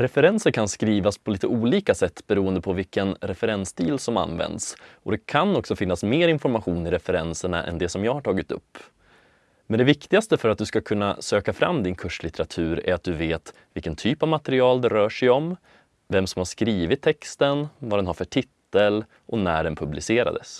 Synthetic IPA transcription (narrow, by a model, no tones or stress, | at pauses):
ɾɛfɛɾɛnsəɾkʰanskɾiːvaspʰɔliːt̪əuːliːkasɛt̪ːbɛɾuːənd̪əpʰɔvɪlkənɾɛfɛɾɛnsd̪iːlsɔma̰nvɛ̰nd̪sʔɔd̪ɛkʰanɔksɔfɪnːasmeːɾɪnfɔɾmaɧuːnɪɾɛfɛɾɛnsəɳa̰ʔɛ̰nd̪ɛsɔmjɑːɡhaʈʰɑːɡɪt̪ɵ̰pː | mɛnd̪ɛvɪkt̪ɪɡast̪əfœɾat̪̚d̪ɵskakʰɵnːa̰søːkafɾa̰mːd̪ɪnkʰɵʂlɪt̪əɾat̪ʰʉ̟ːɾæ̰ɾat̪̚d̪ɵveːt̪ | vɪlkənt̪ʰyːpavmat̪ɛɾɪɑːld̪ɛɾœːʂɛjɔm | vɛmsɔmhaɾʂkɾiːvɪt̪ʰːɛkst̪ənvad̪ɛnhaɾfœʈʰɪt̪ːəl | ʔɔnæːɖɛnpʰɵblɪseːɾa̰d̪əs